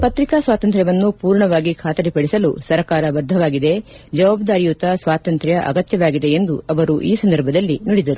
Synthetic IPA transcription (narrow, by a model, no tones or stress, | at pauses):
pɐt̪ɾikaːsʋaːt̪ɐnt̪ɾjɐʋɐnːupuːɾɳɐʋaːɡikʰaːt̪ɐɾipɐɽisɐlṵsɐɾkaːɾɐʋɐɾd̪ʱːɐʋaːɡid̪e̞ | d͡ʒɐʋaːbd̪aːɾijut̪ɐsʋaːt̪ɐnt̪ɾɐjɐʔɐ̰ɡɐt̪jɐʋaːɡid̪e̞end̪uɐʋɐɾuʔiːsɐnd̪ɐɾbʱɐd̪ɐlːiniɽid̪ɐɾu